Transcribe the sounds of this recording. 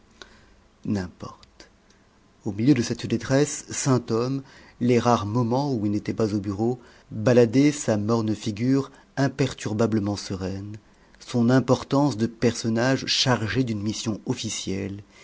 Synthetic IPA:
nɛ̃pɔʁt̪ | omiljød̪əsɛt̪d̪et̪χɛsːɛ̃t̪ɔm | leʁaʁmɔmɑ̃uilnet̪ɛpazobyʁo | balad̪ɛsamɔʁnfiɡʲyʁ | ɛ̃pɛʁt̪yʁbabləmɑ̃səʁɛn | sɔ̃nɛ̃pɔʁt̪ɑ̃sd̪əpɛʁsɔnaʒʃaʁʒed̪ynmisjɔ̃ɔfisjɛl

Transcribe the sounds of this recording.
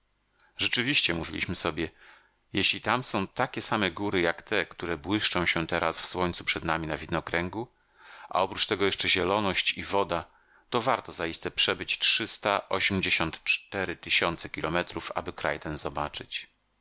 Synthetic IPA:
ʐɛt͡ʂɘvʲiɕt͡ɕɛmuvʲḭlʲḭɕmɘsɔbʲjɛ | jɛɕlʲit̪amsɔ̃w̃t̪akʲɛsamɛɡuɾɘjakt̪ɛkt̪uɾɛbwɘʂt͡ʂɔ̃w̃ɕɛt̪ɛɾasfswɔɲt̪supʂɛd̪namʲinavʲid̪nɔkɾɛŋɡu | ʔa̰ɔpɾut͡ʂt̪ɛɡɔjɛʂt͡ʂɛʑɛlɔnɔɕt͡ɕivɔd̪a | t̪ɔvaɾt̪ɔzaist̪ɛpʂɛbɘt͡ɕtʂɘst̪aʔɔɕemʲd͡ʑeɕɔnt̪t͡ʂt̪ɛɾɘt̪ɘɕɔnt̪sɛkʲilɔmɛt̪ɾufa̰bɘkɾa̰jt̪ɛnzɔbat͡ʂɘ̰t͡ɕ

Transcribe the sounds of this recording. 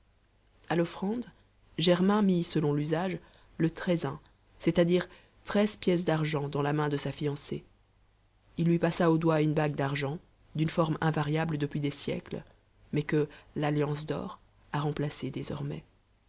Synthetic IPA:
alɔfχɑ̃d̪ | ʒɛʁmɛ̃misəlɔ̃lyzaʒ | lət̪χɛzɛ̃ | sɛt̪ad̪iːʁ | t̪χɛzpjɛs̬d̪aʁʒɑ̃d̪ɑ̃lamɛ̃d̪əsafijɑ̃se | ilːɥipasaod̪waynbaɡ̚d̪aʁʒɑ̃ | d̪ynfɔʁmɛ̃vaʁjabləd̪əpɥid̪esjɛ̰kl | mɛkəlaljɑ̃s̬d̪ɔ̰ːʁ | aʁɑ̃plased̪ezɔ̰ʁmɛ̰

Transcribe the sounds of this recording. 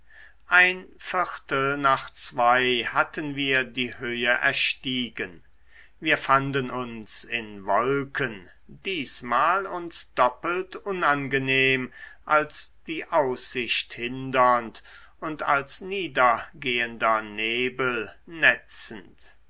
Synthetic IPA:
ʔaɪnfɪʁtəl̩naːχt͡sv̥aɪhatənviːɐdiːhøːəʔɛ̰ɐʃtiːɡən | viːɐfandənʔʊnsɪnvɔlkʰən | diːsmaːlʊnsd̥ɔpəltʔʊnanɡəneːmʔalsd̥iːʔaʊsɪɕthɪndɐnt | ʔʊnta̰lsniːdɐɡeːəndɐneːbəlnɛt͡sn̩t

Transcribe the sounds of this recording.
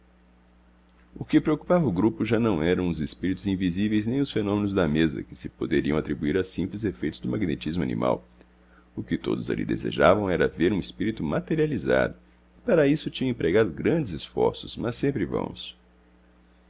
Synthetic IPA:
ʊkɪpɾeoku̥pavɐʊɡɾupʊʒanɐ̃w̃ɛɾɐ̃w̃ʊzɪspiɾit̪ʊzĩvizivejznẽj̃ʊsfenõmẽnʊzd̪ɐmezɐ̰kɪ̥sɪpod̪eɾiɐ̃w̃at̪ɾibuiɾɐsĩmplɪzefejt̪ʊzd̪ʊmaɡnet͡ʃizmʊa̰nḭ̃ma̰w | ʊkɪt̪o̰d̪ʊza̰lḭd̪ḛzḛʒa̰vɐ̃w̃ɛɾɐveɾũespiɾit̪ʊmat̪eɾializa̰d̪ʊ | ɪpaɾɐisʊt͡ʃĩɲɐ̃ẽpɾeɡad̪ʊɡɾɐ̃nd͡ʒɪzɪsfɔ̰ɾsʊzmɐsẽmpɾɪvɐ̰̃mʊs

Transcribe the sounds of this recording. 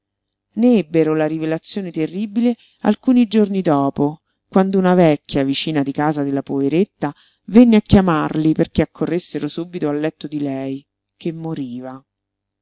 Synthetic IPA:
neɛbːeɾolaɾivelat̪sːjoːnet̪erːiːbile | a̰lkuːnid͡ʒornid̪ɔːpo | kwand̪ounavɛkʲːjavit͡ʃiːnad̪ikaːzad̪elːapoveɾet̪ːa | venːeakːjamarliperk̟eakʰːorːesːeɾosuːbit̪oalːɛt̪ːod̪ilɛj | kemːoɾiːva

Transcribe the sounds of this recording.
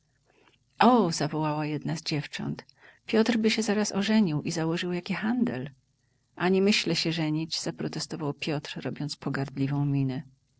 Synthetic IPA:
ʔɔzavɔwawajɛd̪nazd͡ʑɛft͡ʂɔ̰nt̪ | pʲjɔt̪rbɘɕɛzaɾasɔʐɛɲiwʔizawɔʐɘwjakʲixand̪ɛ̰l | ʔaɲɛmɘɕlɛɕɛʐɛɲid͡ʑz̥apɾɔt̪ɛst̪ɔvawpʲjɔt̪ɾɾɔbʲjɔnt̪spɔɡaɾd̪lʲivɔ̃w̃mʲinɛ

